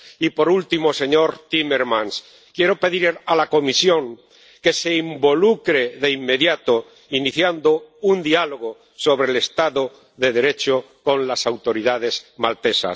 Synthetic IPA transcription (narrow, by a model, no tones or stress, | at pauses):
ipo̞ɾult̪imose̞ɲo̞ɾt̪ime̞ɾmãns | kje̞ɾo̞pe̞ðiɾalako̞misjo̞ŋ | ke̞se̞imbo̞lukɾeðe̞imːe̞ðjat̪o | iniθjand̪ound̪ialoɣo | so̞βɾe̞ːle̞st̪aðo | ðe̞ð̞e̞ɾe̞t͡ʃo | ko̞nlasawt̪o̞ɾiðaðe̞zmalt̪e̞sa̰s